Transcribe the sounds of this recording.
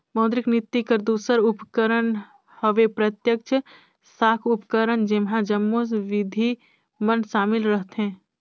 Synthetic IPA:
məːd̪ɾɪknɪt̪ːikəɾd̪uːsəɾʊpkəɾən | həʋepɾət̪jək̚t͡ʃʰə | saːkʰʊpkəɾənd͡ʒɪmɦãd͡ʒəmːosʋɪd̪ʱi | mənʃaːmɪlɾəɦt̪ɦɛ̃ː

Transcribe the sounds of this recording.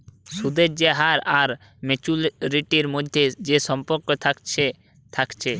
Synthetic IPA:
sud̪ed͡ʒd͡ʒeɦaɾaɾ | met͡ʃulɾiʈiɾmɔd̪ʱjed͡ʒesɔmpɔɾkɔt̪ʰakt͡ʃʰe | t̪ʰakt͡ʃʰe

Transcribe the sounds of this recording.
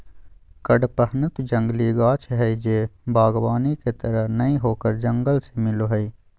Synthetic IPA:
kəɖpəɦnət̪d͡ʒə̃ŋɡliːɡaːt͡ʃʰɦɛid͡ʒeːbaːɡbaːniket̪əɾəɦnɐĩɦoːkəɾd͡ʒɐ̃ŋɡəlsemɪloɦəiː

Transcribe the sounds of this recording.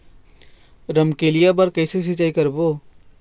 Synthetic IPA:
ɾəmkelijabəɾkəɪses̬it͡ʃaːikəɾbo

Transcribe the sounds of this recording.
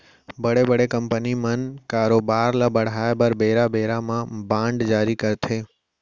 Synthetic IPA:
bəɽebəɽekəmpənimənkaɾobaɾlabəɽ̤ajabəɾbeɾabeɾamãbãɳɖd͡ʒaːɾikəɾt̪ʰe

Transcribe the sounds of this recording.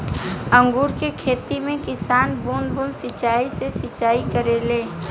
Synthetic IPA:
ə̃ŋɡuːɾkekʰeːt̪imẽkɪsaːnbunbunsɪt͡ʃaːisesɪt͡ʃaːikəɾeleː

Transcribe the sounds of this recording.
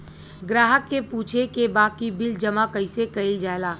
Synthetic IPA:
ɡɾaːɦəkːepuːt͡ʃʰekebaːkibɪld͡ʒəmakəɪsekəɪld͡ʒaːelaː

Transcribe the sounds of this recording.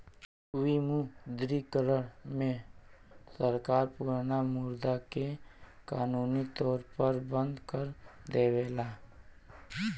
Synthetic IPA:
wimud̪ɾikəɾəɽmẽ | səɾkaːɾpuːɾnamuːɾd̪akekaːnuːnit̪ɔːɾpəɾbə̃nd̪kəɾd̪eːweːlaː

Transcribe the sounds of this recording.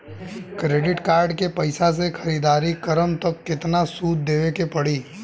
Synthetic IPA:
kɾeːɖɪʈkaːɾɖkepɐɪsas̬exʰɐɾiːd̪aːɾikɐɾəmt̪ɐkːɪt̪nasuːt̪̚d̪eːʋekepɐɽiː

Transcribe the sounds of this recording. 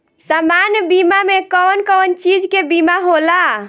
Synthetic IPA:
samanjbimamekɔnkɔnt͡ʃid͡ʒkebimaɦola

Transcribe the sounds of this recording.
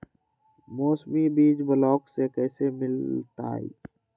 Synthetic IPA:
moːsmibiːd͡ʒbəlɔːksekɛːsemɪlt̪a̰ːḭː

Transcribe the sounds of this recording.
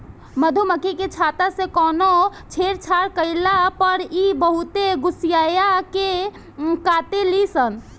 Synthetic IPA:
məd̪ʱuməkʰiket͡ʃʰat̪asẽkɔnot͡ʃʰeɾt͡ʃʰaɾkəɪlapəɾibəɦut̪eɡusijajake | kat̪elisən

